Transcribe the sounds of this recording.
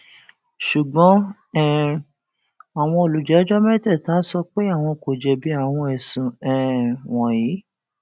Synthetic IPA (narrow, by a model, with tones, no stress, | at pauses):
ʃu˨ɡ͡bɔ̃˨˦ | ɛ˦˨ | a˨w̃ɔ̃˧o˨lu˨d͡ʒɛ˨˦d͡ʒɔ˦mɛ˦tɛ˦˨taː˨˦sɔ˧k͡pe˦a˦˨w̃ɔ̃˧ko˨d͡ʒɛ˧bi˦a˦˨w̃ɔ̃˧ɛ˨sũ˨ɛ˨w̃ɔ̃˨ji˨˦